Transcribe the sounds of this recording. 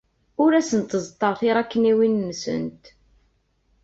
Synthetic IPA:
ʊɾæsənt̪əzˤt̪ˤːəɾˤθɪɾˤækːniwinːsə̰nt̪

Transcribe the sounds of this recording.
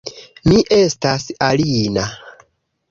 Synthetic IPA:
miʔestasalina

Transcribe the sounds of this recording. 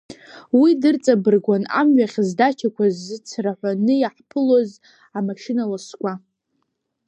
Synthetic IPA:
widɨrt͡sʼabɨrɡʷana̰mɥaχʲzdat͡ʃʲʰakʷazːɨt͡sʰraħʷanɨjaħpʰɨlo̞z | amaʃɪnalaskʷʼa

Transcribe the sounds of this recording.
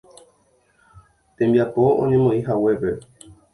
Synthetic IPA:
t̪ẽmbiapo̞õ̰ɲẽ̞mõĩɦawe̞pe

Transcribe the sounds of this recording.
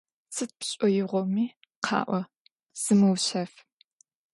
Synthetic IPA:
sʰɨt̚pɕʼɔjɪʁʷɔmiː | qʰɑ̰ːʔʷɔ | z̥ɨmɨwɕɐf

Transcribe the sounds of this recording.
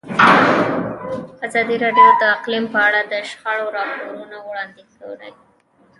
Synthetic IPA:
azɑd̪iɾɑɖjod̪əːqlimpəaɽad̪əʃxaɽoɾɑpoɾunawɽɑnd̪ɪkawla̰j

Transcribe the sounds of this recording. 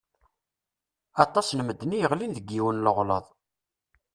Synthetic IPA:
ɑt̪ˤɑsnəmːəd̪ːnijəʁlinðəɡːiwənləʁləðˤ

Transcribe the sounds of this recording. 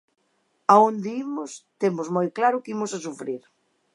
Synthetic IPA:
aõnd̪eimʊst̪emʊzmojklaɾʊkimʊsasufɾiɾ

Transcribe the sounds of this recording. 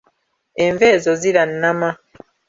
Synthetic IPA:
ɛɱvɛzɔzilan̩ːama

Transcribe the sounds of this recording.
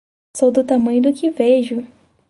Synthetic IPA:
sowd̪ʊt̪amɐ̃j̃ʊd̪ʊkɪveʒʊ

